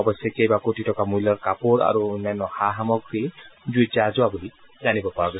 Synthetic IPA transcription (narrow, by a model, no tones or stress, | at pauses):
ɔbɔsɔkejbakotitɔkamujlɔɹkapoɹa̰ɹunanɔhaɦamɔkɹizuetiazʊabulizanibɔpaɹaɡɔ